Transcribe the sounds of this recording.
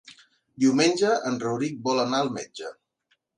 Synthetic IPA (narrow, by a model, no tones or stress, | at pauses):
d̪iwmenʲd͡ʒəənrəwɾik̚bɔlənaəlˠmɛd͡ʒə